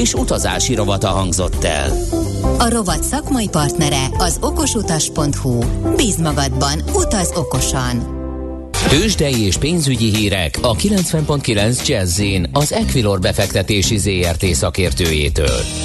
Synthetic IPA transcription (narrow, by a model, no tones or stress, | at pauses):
eːʃut̪ɒza̰ːʃiɾo̞vɒt̪ɒɦɒŋɡzo̞t̪ːɛ̰l | ɒɾo̞vɒt̪sɒkmɒjipɒrt̪nɛɾɛɒzo̞ko̞ʃut̪ɒʃpo̞nt̪hubiːzmɒɡɒd̪bɒnut̪ɒzo̞ko̞ʃɒn | t̪øːʒd̪ɛjieːʃpeːnzyɟiɦiːɾɛ̰kʰɒkilɛnt̪sʋɛmpo̞nt̪kilɛnzd͡ʒɛzːinɒzɛkʋilo̞rbɛfɛkt̪ɛt̪eːʃizeːɛrt̪eːsɒkeːrt̪øːjḛːt̪ø̰ːl